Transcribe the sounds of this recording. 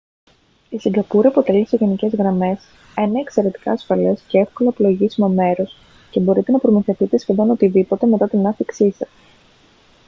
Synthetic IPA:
isiŋɡɐpuɾiɐpo̞t̪e̞lise̞ʝe̞nice̞zɣɾɐme̞s | eneːkse̞ɾe̞t̪i̥kɐːsfɐle̞sce̞e̞fko̞lɐːpoloʝisimome̞ɾo̞s | ce̞bo̞ɾit̪e̞nɐpɾo̞miθe̞fit̪e̞sçeðo̞no̞t̪iðipo̞t̪e̞me̞t̪ɐt̪inɐθiksisɐs

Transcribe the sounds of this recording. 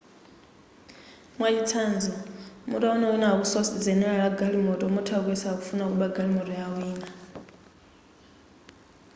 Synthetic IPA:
mwat͡ʃit͡sʰand͡zɔmutʼaunawinaβusɔsid͡zɛnɛɺaɺaɡalimɔtʼɔmutʰakwɛsakufunakuɓaɡalimɔtʼɔjawiːna

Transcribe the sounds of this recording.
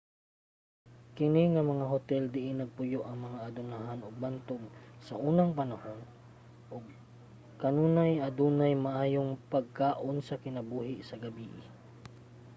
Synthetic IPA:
kɪnɪŋɐmɐŋaɦʊt̪ɛld̪ɪʔɪnɐɡ̚pʊjoʔɐŋmɐŋaʔɐd̪ʊnaɦanʊɡ̚bant̪oɡsɐʔuːnɐŋpɐnɐhon | ʔʊɡ̚ | kɐnuːnajʔɐd̪uːnajmɐʔaːjoŋpɐɡ̚kaːʔonsɐkɪnɐbuːhɪsɐɡɐbiːʔɪ

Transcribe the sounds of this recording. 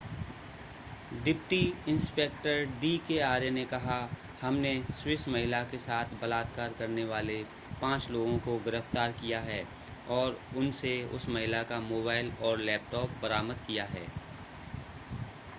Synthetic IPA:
ɖɪpʈiɪ̃nspeːk̚ʈəɾɖiːkeaːɾenekɐɦa | hɐmneswɪsmɐɦɪlakesaːt̪ʰbɐlaːd̪kaːɾkɐɾneʋaːle | pãːt͡ʃloːɡõkoɡɪɾəft̪aːɾkijaɦɛː | ɔːɾʊnseʊ̰smɐɦɪlakamoːbaːɪlɔːɾlɛːp̚ʈɔːp̚bɐɾaːməd̪̚kijaɦɛ̰ː

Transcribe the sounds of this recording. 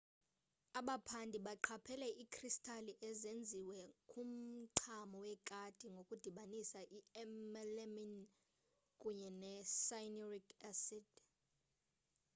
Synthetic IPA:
aɓapʰandʱiɓaǃʰapʰɛlɛʔikʰristʰʼaliʔɛzend͡zʱiwɛkʼum̩ǀʰamɔwɛkʼad̥ʱiŋɡʱokʼud̥ʱiɓanisaʔiɛmɛlɛmin | kʼuɲɛnɛsajnɔrikʰasid̥

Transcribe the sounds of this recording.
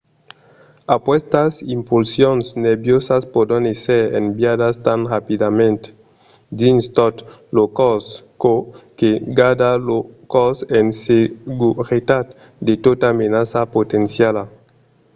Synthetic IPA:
apwest̪asimpulsjonsneɾbjosaspod̪oneseɾḛmbjadast̪anʁapid̪amẽnt̪ | d̪inst̪ɔt̪lokɔskokeɡad̪alokɔsenseɡuɾit̪at̪̚ | d̪et̪ot̪amenasapot̪ensjala

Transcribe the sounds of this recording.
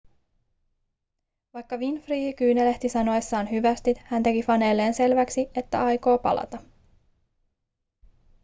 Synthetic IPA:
ʋɑjkːɑʋinfriːhikyːnele̞ht̪isɑno̞esːɑːnɦyʋæst̪it̪hænt̪e̞kifɑne̞ːlːe̞ːnse̞lʋæksie̞t̪ːæ̰ɑjko̞ːpɑ̰lʔɑ̰t̪ɑ

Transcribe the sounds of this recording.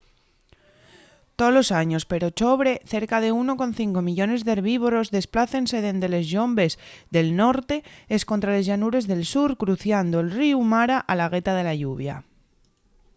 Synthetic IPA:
t̪olo̞saɲo̞spe̞ɾo̞t͡ʃo̞βɾe̞θe̞ɾkað̞euno̞ko̞nθiŋko̞miʎo̞ne̞zðeɾβiβ̞o̞ɾo̞zðe̞splaθe̞nse̞ðe̞nd̪ele̞zʝo̞mbe̞sðe̞lno̞ɾt̪e̞esko̞nt̪ɾale̞zʝanuɾe̞zðe̞lsuɾkɾuθjand̪oelriumaɾaʔalaɣ̞e̞t̪að̞e̞laʝuβ̞ja̰

